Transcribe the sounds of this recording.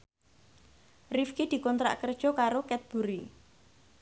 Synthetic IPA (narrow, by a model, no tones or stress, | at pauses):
rifkid̪̥i̤kɔnt̪ɾa̰ʔkərd̥ʒ̥ɔ̤kaɾokɛt̪̚b̥ṳɾi